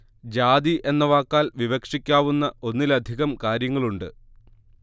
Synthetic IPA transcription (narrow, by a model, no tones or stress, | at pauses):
d͡ʑaːd̪iʔe̞nːɐʋaːkːaːlʋiʋɐkʂikʲːaːʋunːɐo̞nːilɐd̪ʱiɣɐmkaːɾjɐŋːɐɭuɳɖɨ